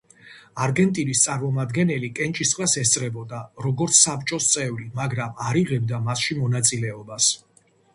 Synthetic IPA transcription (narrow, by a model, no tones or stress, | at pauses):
aɾɡɛnt̪ʼinist̪sʼaɾmɔmad̪ɡɛnɛlikʼɛnt͡ʃʼisqʼlasɛst̪sʼɾɛbɔd̪aɾɔɡɔɾt̪sʰsapt͡ʃʼɔst̪sʼɛvɾimaɡɾamaɾiʁɛbd̪amasʃimɔnat̪sʼilɛɔbas